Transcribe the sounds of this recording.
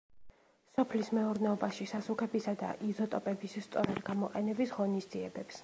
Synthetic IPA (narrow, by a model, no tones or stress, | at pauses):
sɔpʰlismɛuɾnɛɔbaʃisasukʰɛbisad̪a̰ʔizɔt̪ʼɔpʼɛbisst̪sʼɔɾad̪ɡamɔqʼɛnɛbisʁɔnisd̪z̥ʼiɛbɛps